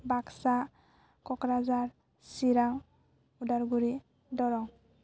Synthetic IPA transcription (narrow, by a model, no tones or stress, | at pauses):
baksa | kɔkɾazaɾ | siɾaŋ | udaɾɡuɾi | dɔɾɔŋ